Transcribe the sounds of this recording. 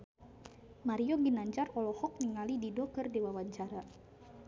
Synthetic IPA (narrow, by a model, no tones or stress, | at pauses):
maɾiɔɡinaɲd͡ʒarɔlɔhɔk̚niŋalididɔkərdewawaɲt͡ʃaɾa